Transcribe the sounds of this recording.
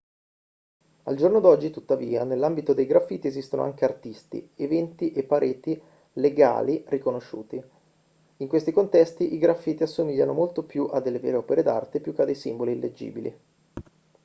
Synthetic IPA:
a̰ld͡ʒornod̪ɔd͡ʒːit̪ut̪ːaviːanelːambit̪od̪ejɡɾafːiːt̪iezist̪ono̰a̰ŋk̟eart̪ist̪ḭevɛnt̪iʔepːaɾʔeːt̪i | leɡa̰ːlirikonoʃːṵːt̪i | iŋkwest̪ikont̪ɛst̪iʔiɡɾafːiːt̪iasːomiʎːanomolt̪opjuʔad̪ːelːevḛːɾeɔːpeɾed̪a̰rt̪epjukːead̪ejsḭmboliilːed͡ʒːḭːbilḭ

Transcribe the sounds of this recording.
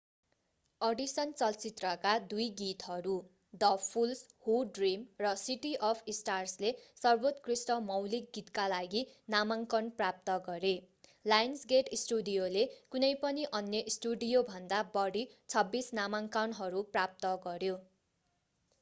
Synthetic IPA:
ʌɖisʌnt͡sʌlt͡sit̪rʌkad̪ujɡit̪ɦʌɾu | dʌpʰulshuɖrimrʌsiʈiʔʌpʰisʈarslesʌrbot̪krisʈʌmʌwlik̚ɡit̪kalaɡinamaŋkʌnprap̚t̪ʌɡʌɾe | lajnsɡeʈisʈuɖijolekunʌjpʌniʔʌnjʌʔisʈuɖijobʱʌnd̪abʌɽit͡sʰʌbːisnamaŋkʌnɦʌɾuprap̚t̪ʌɡʌɾjo

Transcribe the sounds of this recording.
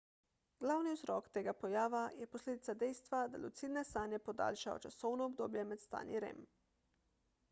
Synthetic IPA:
ɡlawniuzɾɔkt̪eːɡapojaːʋajɛposleːd̪it̪sad̪ɛjst̪ʋad̪a̰lṵt̪sid̪nɛst̪aːnjɛpod̪a̰ːlʃajɔ̰t͡ʃasɔwnɔːbd̪oːbjɛmɛt̪st̪a̰ːnjḭɾḛːm

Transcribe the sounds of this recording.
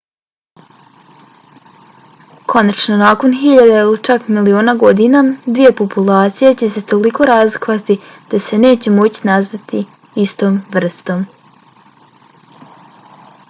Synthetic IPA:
kʰo̞nat͡ʃnonaːko̞nxiʎad̪eilit͡ʃakmilio̞ːnaɡo̞d̪inad̪ʋije̞populˠaːt̪sijet͡ɕe̞se̞t̪o̞liko̞ɾaːzlˠikoʋat̪id̪̥ase̞ne̞ːt͡ɕe̞mo̞t͡ɕi̥nazʋat̪i | ist̪oːmʋr̩st̪o̞m

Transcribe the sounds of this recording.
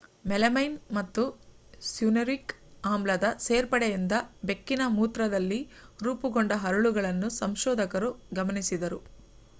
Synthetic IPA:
mɛlɐmɐjnmɐt̪ːu | sjunɐɾikaːmblɐd̪ɐse̞ːɾpɐɽejind̪ɐbe̞kːinɐmuːt̪ɾɐd̪ɐlːiɾuːpuɡoɳɖɐɦɐɾuɭuɡɐɭɐnːusɐmʃɔːd̪ʱɐkɐɾuɡɐmɐnisid̪ɐɾu

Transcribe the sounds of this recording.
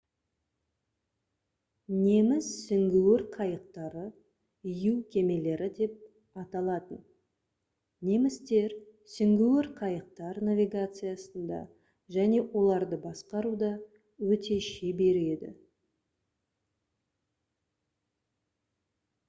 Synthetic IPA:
ne̞mɪssʏŋɡʲuwɪɾqʰɑjəq̚t̪ɑɾə | ijuwkʲʰe̞me̞le̞ɾɪd̪e̞p̚ | ɑt̪ɑlˠɑt̪ən | ne̞mɪst̪e̞ɾ | sʏŋɡʲuwɪɾqʰɑjəq̚t̪ɑɾnavʲijɡat̪sɨjasənd̪ɑ̰ | ʒæne̞wʔo̞lˠɑɾd̪əbɑsqɑɾud̪ɑ | wɵt̪e̞ʃebe̞ɾe̞d̪ɪ̰

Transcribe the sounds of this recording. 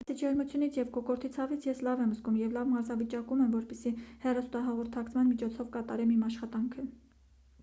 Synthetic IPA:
t͡sʰit͡ʃʰɛɾmut͡sʰjunit͡sʰjɛvkɔkɔɾt̪ʰit͡sʰɑvit͡sʰjɛslɑvɛmzɡumjɛvlɑvmɑɾzɑvit͡ʃɑkumɛmvɔɾpɛsihɛrɑst̪ɑɦɑʁɔɾt̪ʰɑkt͡sʰmɑnmit͡ʃʰɔt͡sʰɔvkɑt̪ɑɾɛmimɑʃχɑt̪ɑŋkʰə

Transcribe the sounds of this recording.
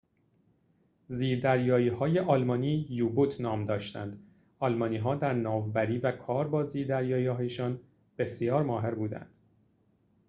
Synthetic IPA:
ziːɾd̪æɾjɒːjiːhɒːje̞ʔɒːlmɒːniːjuːbut̪ʰnɒːmd̪ɒːʃt̪æ̰nd̪ | ɒlmɒːniːɦɒːd̪æɾnɒːvbæɾiːvækʰɒːɾbɒːziːɾd̪æɾjɒːjiːhɒːjeʃɒːn | b̥e̞sjɒːɾmɒːɦe̞ɾbuːd̪æ̰nd̪̥

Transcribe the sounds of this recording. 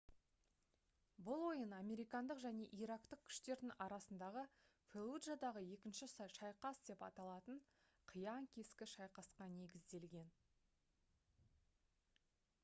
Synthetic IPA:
bʊlˠwo̞jənɑmʲe̞ɾijkɑnd̪əqʒæne̞ʔiɾɑkt̪əq̚kʲʰʏ̥ʃt̪e̞ɾd̪ɪŋʔɑɾɑsənd̪ɑʁəfelˠudʒad̪ɑʁəje̞kʲɪnʃɪsɑʃɑjqɑsd̪e̞pɑt̪ɑlˠɑt̪əɴ | qʰəjɑŋkʲʰe̞skʲɪʃɑjqɑsqɑne̞ɡʲɪzd̪e̞lɡʲe̞n

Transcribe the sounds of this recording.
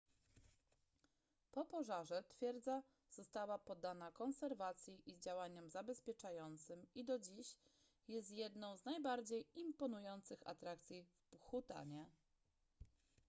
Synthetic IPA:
pɔpɔʐaʐɛt̪fʲjɛɾd̪za | z̥ɔst̪awapɔd̪ːanakɔnsɛɾvat̪sʲjiʔizd͡ʑawaɲɔmzabɛspʲjɛt͡ʂajɔnt̪sɘmid̪ɔd͡ʑiɕ | jɛs̬t̪jɛd̪nɔ̃w̃znajbaɾd͡ʑejimpɔnujɔnt̪sɘxa̰t̪ɾakt̪sʲjifxut̪a̰ɲɛ

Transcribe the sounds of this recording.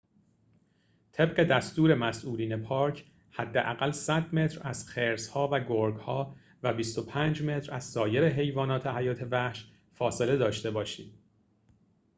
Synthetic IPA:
t̪ʰe̞bɢe̞d̪æst̪uːɾe̞mæsʔuːliːne̞pʰɒːɾcʰ | hæd̪ːeʔæɣælsæd̪me̞t̪ʰɾæz̥xeɾshɒːvæɡoɾɡhɒː | væbist̪o̞pʰæːnd͡ʒme̞t̪ʰɾæz̥sɒːje̞ɾeɦe̞jvɒːnɒːt̪ʰehæjɒːt̪ʰe̞væhʃ | fɒːse̞le̞d̪ɒːʃt̪e̞bɒːʃiːd̪̥

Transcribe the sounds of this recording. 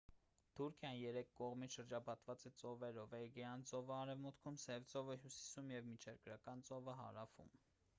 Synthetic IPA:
t̪ʰuɾkʰjɑnjɛɾɛkʰːɔʁmit͡sʃəɾd͡ʒɑpʰɑt̪vɑt͡sɛt͡sɔvɛɾɔvɛɡɛɑnt͡sɔvəɑɾɛvmut̪kʰumsɛvt͡sɔvəɦjusi̥sumjɛvmit͡ʃʰɛɾkɾɑkɑnt͡sɔvəɦɑ̰ɾɑfṵm

